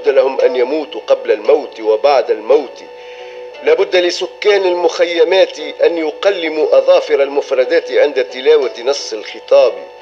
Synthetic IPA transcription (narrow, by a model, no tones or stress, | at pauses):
d̪ːalahʊmʔanjamuːt̪qɑblalmawt̪wabaʕd̪almawt̪ | laːbʊd̪ːalɪsʊkːaːnalmʊxajːamaːt̪ʔanjʊqalːɪmuʔɑðˤɑːfɪɾɑlmʊfɾˤɑd̪aːt̪ʕɪnd̪at̪ːɪlaːwanɑsˤːɪlxɨt̪ˤɑːb